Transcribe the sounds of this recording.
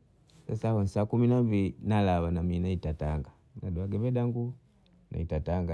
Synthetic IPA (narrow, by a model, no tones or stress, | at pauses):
sasahɔnsaːkuminambilinalawanaminaitataŋɡa | naduaɡɛbɛdaŋɡu | na̰itataŋɡa